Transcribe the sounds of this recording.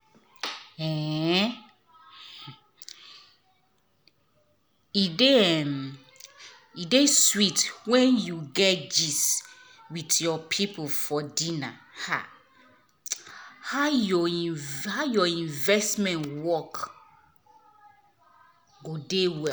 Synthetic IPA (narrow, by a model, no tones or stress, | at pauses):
ɛ̃ | ideɛm | ideswitwɛ̃njuɡɛtd͡ʒis | witjɔpʰipʰolfɔdĩnaha̰ | haʊjɔĩhaʊjɔĩnvɛstmɛ̃ntwɔk | ɡodewɛ